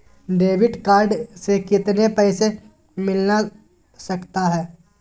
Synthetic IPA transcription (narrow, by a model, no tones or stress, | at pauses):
ɖeːʋɪɖkaːɾɖsekɪt̪nepɛːse | mɪlna | sɐkt̪aɦɛː